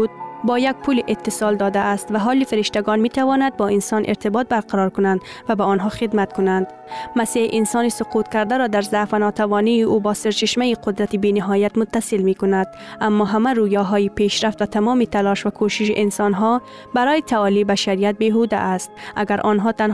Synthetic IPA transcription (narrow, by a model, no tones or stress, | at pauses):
d̪̚bɒːjak̚pʰuliʔet̪ːɪsɒld̪ɒd̪aːst̪vaɦɒːlifɪɾɪʃt̪aɡɒnmit̪ʰavɔːnad̪̚bɒːɪnsɒnʔɪ̰ɾt̪ɪbɒːt̪̚baɾqaɾɒɾkʊnand̪ | vabaɔnɦɒːxɪd̪mat̪̚kʊnand̪ | masiʔɪnsɔːnisʊqut̪kaɾd̪aɾɔːd̪aɾzafanɒt̪ʰavɔːniːʔubɒːseɾt͡ʃɪʃmajiqʰʊd̪ɾat̪ibinɪɦɒːjat̪mʊt̪ːasɪlmikʊnad̪̥ | amːɒɦamaɾujɒɦɒjipeʃɾaft̪vat̪ʰamɔːmit̪ʰalɒʃvakʰoʃɪʃ̬iʔɪnsɒnɦɔ | baɾɔːjit̪ʰaɒlibaʃaɾijat̪̚beɦud̪a̰ʔːst̪̚a̰ɡaɾʔɔːnɦɒːt̪an